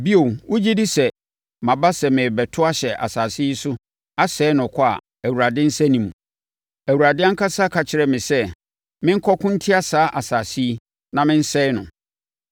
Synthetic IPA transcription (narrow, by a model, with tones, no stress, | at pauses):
bi˦o˨wʊ˦d͡ʑi˦di˦sɛ˨ | mã˨ba˦sɛ˨mɪ̃˨bɛ˨tʰʊ˦a˦ɕɛ˨ʔa̰˨saː˨si˦i˦sʊ˦ | a˦sɛː˦nʊ̃˨kʰɔ˦a̰˨ | æ˨wu˨ɾa˨dɪ̃˦n̩˦sɛ˦nĩ˨mũ˨ | æ˨wu˨ɾa˨dɪ̃˦a˦ŋ̩˦kʰa˦sa˦kʰa˨t͡ɕʰɪ˨ɾɛ˨mɪ̃˨sɛ˦ | mɪ̃˦ŋ̩˦kʰɔ˦kʰʊ̃˦n̩˦tʰɪ˦a˦saː˦ʔa˨saː˨si˦ | nã˨mɪ̃˦n̩˦sɛ˦ɪ˦nʊ̃˨